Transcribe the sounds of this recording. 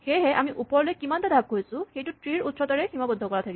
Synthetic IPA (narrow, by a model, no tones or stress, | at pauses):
xejɦɛʔamiʔupɔɹlojɛkimantadʱab̚ɦojsʊ̃xejtʊtɹiɹutsɔtaɹɛximabɔd̪ʱːɔkɔɹatʰaki